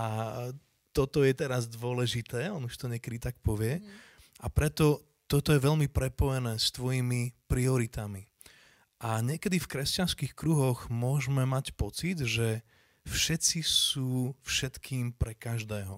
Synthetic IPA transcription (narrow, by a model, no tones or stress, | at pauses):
a | t̪ɔt̪ɔjɛt̪ɛɾazd̪ʊɔlɛʒit̪ɛːɔnuʃt̪ɔɲɪɛkɛd̪it̪ak̚pɔʋɪɛʔapɾɛt̪ɔ | t̪ɔt̪ɔjɛʋɛʎmipɾɛpɔjɛnɛːst̪ʋɔjimipɾiɔɾit̪ami | ʔaɲɪɛkɛd̪ifkɾɛscanskixkɾuɦɔɣmʊɔʒmɛmacpɔt͡sid̪ʒɛ | fʃɛt͡sisuːfʃɛt̪kʰiːmpɾɛkaʒd̪ɛːɦɔ